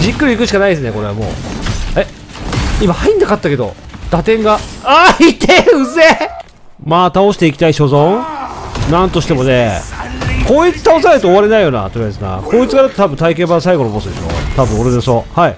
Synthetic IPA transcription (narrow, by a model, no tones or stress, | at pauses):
d͡ʑikːɯ̟ɾʲiːkɯ̟ɕ̬ikanaid̪esɨne̞ko̞ɾe̞amo̞̰ːe̞ | imahaĩnd̪akat̪ːake̞d̪o̞̰d̪̥at̪ẽ̞ŋɡaait̪ʰeɯ̟ze | maːt̪ao̞ɕi̥t̪e̞ikʲi̥t̪aiɕo̞zõ | nãnt̪o̞ɕi̥t̪e̞mo̞ne̞ | ko̞ːit͡sɨ̥t̪aos̬aneɾɯt̪o̞ːβaɾe̞naijo̞ːna̰t̪oɾʲijas̬ɨna̰kʰoːit͡sɨɡaɾɯt̪ot̪abɯ̟̃t̪aik̬ẽ̞ːbasaiɡo̞nobo̞sɨd̪e̞ʃo̰t̪abɯ̟̃o̞ɾed̪eso̞hai